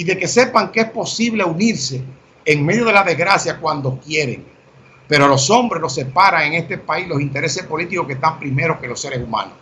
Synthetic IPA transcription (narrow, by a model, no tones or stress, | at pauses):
iðe̞ke̞se̞paŋkeespo̞siβleuniɾse̞ː | ŋme̞ðjo̞ð̞e̞laðe̞zɣɾasjakwand̪o̞kje̞ɾḛŋ | pe̞ɾoalo̞so̞mbɾeslo̞se̞paɾaŋe̞ŋe̞st̪epaislo̞sint̪e̞ɾe̞se̞spo̞lit̪iko̞hkest̪ampɾime̞ɾohke̞lo̞se̞ɾesumã̰nos